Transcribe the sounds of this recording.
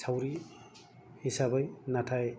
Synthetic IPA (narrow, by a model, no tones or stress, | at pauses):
t͡sʰawɾi | hisabʌjnatʰaj